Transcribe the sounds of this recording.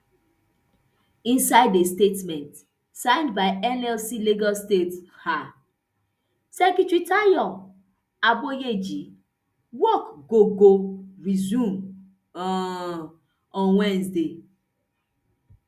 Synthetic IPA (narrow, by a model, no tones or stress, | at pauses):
ĩnsaɪdestetmɛ̃nt | sãɪ̃ndbaɪɛnɛlsiliɡɔstetha | sɛkitɹitaiɔ̃ | abojed͡ʒi | wɔkɡoɡoɹizũm | ɔ̃nwɛ̃nsde